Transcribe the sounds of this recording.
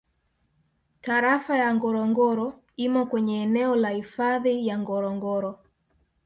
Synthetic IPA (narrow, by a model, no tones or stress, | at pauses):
taɾafajaŋɡɔɾɔŋɡɔɾɔ | imɔkwɛɲɛːnɛɔlahifaðijaŋɡɔɾɔŋɡɔɾɔ